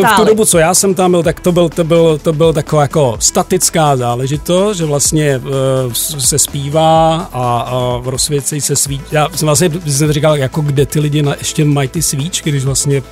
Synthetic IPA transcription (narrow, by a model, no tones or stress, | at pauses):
ft̪udobut͡sojaːsɛmt̪ambɪlt̪akt̪obɪlt̪obɪlt̪obɪlt̪akovaːjako̞st̪at̪ɪt͡skaːzaːlɛʒɪt̪ost̪ʒɛvlast̪ɲɛ | sɛspiːvaːaɾosvjɛt͡sɛjsɛsviːt͡ʃjaːsɛmvlastɲɛɪssɛt̪ɾikaljako̞ɡdɛt̪ɪlɪɟɪnaʔɛʃcɛmajt̪ɪsviːt͡ʃɡdɪʃvlast̪ɲɛ